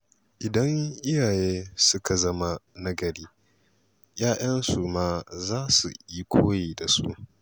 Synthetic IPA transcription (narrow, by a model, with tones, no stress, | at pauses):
ʔɪ˨dɐ˦ŋʔɪ˦jaː˨jeː˦sʊ˦ka˨zɐ˦ma˦nɐ˦ɡɐ˨ɽiː˦ | jaː˦j̰ɐ˦nsu˨maː˦zaː˦sṵ˨i˦kʷʰoː˦jiː˨da˨sṵ˦ʔ